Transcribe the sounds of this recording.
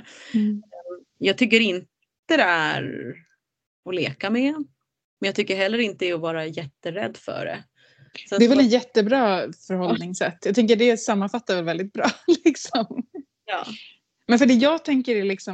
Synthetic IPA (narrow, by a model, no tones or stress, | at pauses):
jɑːɡ̚t̪ʰʏk̬ːəɾɪnt̪ | əd̪ɛæ̰ɾ | ɔlḛːkamɛ | mɛnjɑɡ̚t̪ʏkːəɾɦɛlːəɾɪnt̪əɛɔvɑːɾajɛt̪ːəɾɛ̰d̪ːfœ̰ɖɛ̰ | sad̪ɛɾvɛlɛt̪jɛt̪ːəbɾɑːfœɾhɔlnɪŋsɛt̪ːjɑɡt̪ɛŋk̬əɖɛsamːanfat̪ːaɾvɛlvɛld̪ɪt̪̚bɾɑːlɪksɔm | jɑ̰ː | mɛnfœɖɛːjɑːɡt̪ʰɛŋkəɾɛlɪksɔ